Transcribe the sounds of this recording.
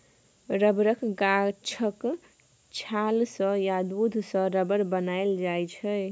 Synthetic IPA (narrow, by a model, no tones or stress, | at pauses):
ɾəbɾəkɡat͡ʃʰək | t͡ʃʰalsə̃jad̪ud̪ʱsə̃ɾəbəɾbənajld͡ʒajt͡ʃʰə